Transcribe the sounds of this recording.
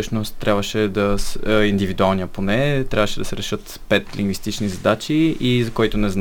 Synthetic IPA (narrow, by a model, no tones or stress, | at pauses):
ɤʃnost̪ːɾʔabvəʃɛd̪ɐsind̪ivid̪ualˠnijəponɛt̪ɾʲʔabvəʃɛd̪ɐsɛɾɛʃɤt̪ | pɛt̪liŋɡvist̪it͡ʃnizɐd̪at͡ʃiizɐkɔjt̪onɛzn